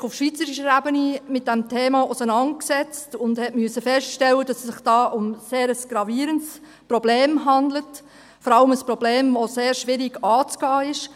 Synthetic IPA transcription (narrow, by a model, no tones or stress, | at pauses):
ʊfʃʋiːt͡səɾiʃəɾæbənimɪt̚d̥ɛmtʰeːmɑʔʊsənɑnt̚ksɛt͡stʊndhɛtmyəsəfɛstʃtɛlːəd̥ɑssɪχd̥ɑːʔʊmseːɾəsɡ̥ɾɑviːɾəns | prɔbleːmɦɑndlət | fɔɾɑləməspɾɔbleːmvoseːɾʃʋɪɾiɡɑːt͡sɡ̥ɑːɪʃ